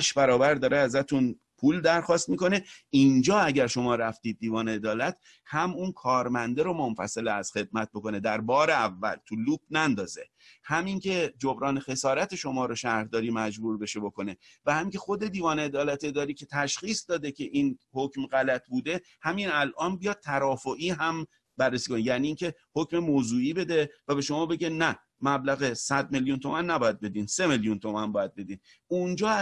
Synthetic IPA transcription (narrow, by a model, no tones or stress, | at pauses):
ʃbæɾɒːbæɾd̪ɒːɾeæzæt̪ʰun | pʰuːld̪æɾxɒːst̪̚miːko̞neind͡ʒɒːæɟæɾʃo̞mɒːɾæft̪iːd̪̚ːiːvɒːneed̪ɒːlæt̪ | hæmunkʰɒːɾmænd̪eɾomonfæ̰seleæz̥xe̞d̪̚mæt̪̚bo̞ko̞ne̞d̪æɾbɒːɾeævːæ̰lt̪ʰuluːb̚nænd̪ɒːze̞̰ | hæmiŋcʰe̞d͡ʒobɾɒːnexe̞sɒːɾæt̪ʰe̞ʃo̞mɒːɾoʃæɾd̪ɒːɾiːmæd͡ʒbuːɾbe̞ʃe̞bo̞ko̞ne̞ | væhæmiːŋcʲʰe̞xo̞d̪e̞d̪iːvɒːneːd̪ɒːlæt̪ʰeed̪ɒːɾiːcʰe̞t̪ʰæʃχiːsd̪ɒːd̪ecʲʰe̞ʔiːnhocmɣælæt̪ʰbuːd̪e̞ | hæminælʔɒːnbijɒːd̪̥̚t̪ʰæɾɒːfoʔiːɦæm | bærːesiːkʰonejæniːŋcʰe̞hocme̞moːzuːiːbe̞d̪e̞væbe̞ʃo̞mɒːbe̞ɟenæ | mæblæɣesæd̪̚me̞ljunt̪ʰo̞mænːæbɒːjæd̪̚be̞d̪iːnse̞meljunt̪ʰomænbɒːjæd̪̚be̞d̪iːn | und͡ʒɒː